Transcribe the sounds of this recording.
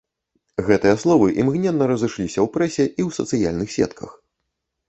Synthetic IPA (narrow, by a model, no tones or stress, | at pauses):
ɣɛt̪ɨjɐslˠɔvɨʔimɣnʲɛnːɐɾɐzɨʂlʲisʲɐwpɾɛsʲɛʔiwsɐ̰t̪sɨjalʲnɨxsʲɛ̰t̪kʰɐ̰x